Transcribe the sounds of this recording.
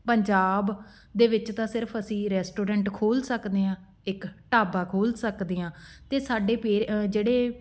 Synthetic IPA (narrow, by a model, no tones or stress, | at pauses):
pəɲd͡ʒaːb | d̪eːʋɪt͡ʃt̪ãːsɪɾəpʰəsĩːɾɛːsʈoːɾɛ̃ːɳʈkʰoːlsəkd̪eːɦãː | ɪkʈaːbaːkʰoːlsəkd̪eːãːt̪eːsaːɖeːpeːɾd͡ʒeːɽeː